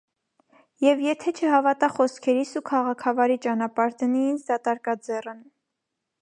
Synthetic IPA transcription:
jɛvjɛt̪ʰɛt͡ʃʰəɦɑvɑt̪ɑχɔskʰɛɾisukʰɑʁɑkʰɑvɑɾit͡ʃɑnɑpɑɾd̪əniind̪ɑt̪ɑɾkɑd͡zɛrən

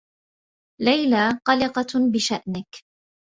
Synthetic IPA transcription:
lajlaːqɑlɪqɑbɪʃaʔnɪk

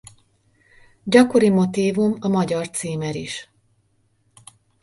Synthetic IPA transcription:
ɟɒko̞ɾimo̞t̪iːvumɒmɒɟɒrt̪siːmɛɾiʃ

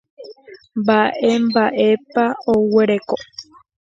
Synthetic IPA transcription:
mbaʔe̞mbaʔe̞paoweɾe̞ko

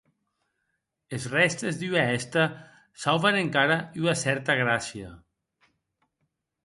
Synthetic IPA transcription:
ezrɛst̪ezðyaɛst̪a | sawβaneŋkaɾayasɛɾt̪aɣɾasia̰

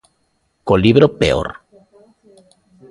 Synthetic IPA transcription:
koliβɾopḛo̰ɾ

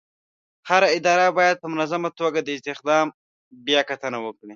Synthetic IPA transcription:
haɾaɪd̪ɑɾabɑjad̪̚pəmʊnazamat̪oɡad̪əɪst̪ɪxd̪ɑm | bjɑkat̪ənawəkɽi

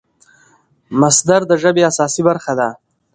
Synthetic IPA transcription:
masd̪aɾd̪əʒəbeasɑsibaɾxad̪a

